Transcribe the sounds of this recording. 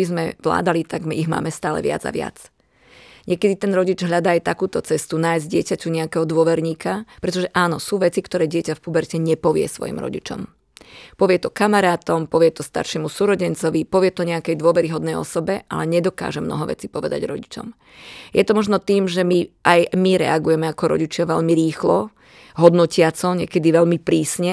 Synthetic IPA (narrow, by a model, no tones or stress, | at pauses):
izmɛʋla̰ːd̪alit̪aɡmiɣma̰ːmɛst̪aːlɛ̰ʋɪa̰d͡za̰ʋɪa̰t͡s | ɲɪɛkɛd̪it̪ɛnɾɔɟid͡ʒɦʎad̪aːjt̪akuːt̪ɔt͡sɛst̪unaːjzɟɪɛcacuɲɛakɛɦɔd̪ʊɔʋɛɾɲiːkapɾɛt̪ɔʒɛʔaːnɔsuːʋɛt͡sikt̪ɔɾɛːɟɪɛcafpubɛɾcɛɲɛpɔʋɪɛ̰sʋɔ̰jḭmɾɔ̰ɟḭt͡ʃɔ̰m | pɔʋɪɛt̪ɔkamaɾaːt̪ɔmpɔʋɪɛt̪ɔst̪a̰ɾʃɛmusuɾɔɟɛnt͡sɔʋipɔʋɪɛt̪ɔɲɛakɛjd̪ʊɔʋɛɾiɦɔd̪nɛjɔ̰sɔbɛʔa̰lɛɲɛd̪ɔka̰ːʒɛmnɔ̰ɦɔʋɛ̰t͡siːpɔʋɛd̪a̰ɟɾɔ̰ɟit͡ʃɔ̰m | jɛt̪ɔmɔʒnɔt̪iːmʒɛmiʔajmiɾɛ̰aɡujɛmɛakɔɾɔ̰ɟit͡ʃɪaʋɛʎmiɾiːxlɔ | ɦɔd̪nɔcɪat͡sɔɲɪɛ̰kɛd̪iʋɛʎmipɾiːsɲɛ